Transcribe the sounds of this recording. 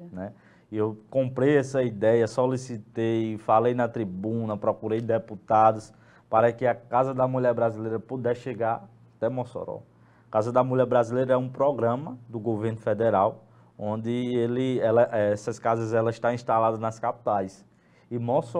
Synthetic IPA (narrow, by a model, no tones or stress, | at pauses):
nɛ | iewkõmpɾejɛsɐid̪ɛjɐsolisit̪ejfalejnɐt̪ɾibũnɐpɾɔkuɾejd̪eput̪ad̪ʊs | paɾɐkɪɐkazɐd̪ɐmuʎɛɾbɾazilejɾɐpud̪ɛʃeɡaɾ | t̪ɛmɔso̰ɾɔ̰ | kazɐd̪ɐmuʎɛɾbɾazilejɾɐɛũpɾɔɡɾɐ̃mɐd̪ʊɡoveɾnʊfɛd̪ɛɾaw | õd̪ɪelɪɛlɐʔɛɛsɐskazɐzɛlɐɪʃt̪ãĩʃt̪alad̪ɐnɐskapi̥t̪ajs | ɪmɔs